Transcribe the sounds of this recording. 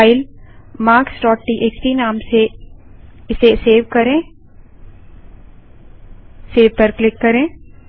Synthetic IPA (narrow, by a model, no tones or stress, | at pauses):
ɪlmaːɾksʈɔːʈːiʔekt̪inaːmse | ɪseseːʋkɐɾẽː | seːʋpɐɾklɪkːɐɾẽː